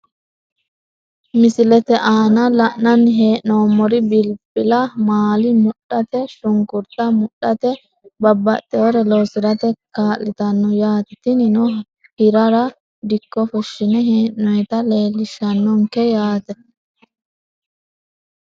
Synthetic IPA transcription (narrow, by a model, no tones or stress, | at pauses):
mɪsɪlɛt̪ɛʔaːnɐlɐʔnɐnɦeːʔnoːmɔɾɪbɪlpʼːɪlɐmaːlɪmʊɗɐt̪ɛʃʊŋkʊɾt̪ʼːɐmʊɗːɐt̪ɛ | bɐbːɐ̰t̪ʼːɛɔɾɛlɔsɪɾɐt̪ɛkaːlːɪt̪ɐnːɔjaːt̪ɪt̪ɪnɪnɔ | hɪɾɐɾɐ | d̪ɪkːɔfɔʃːɪnɛɦeːʔːɔjɛt̪ɐle̞ːlːɪʃɐnːɔŋkɛjaːt̪ɛ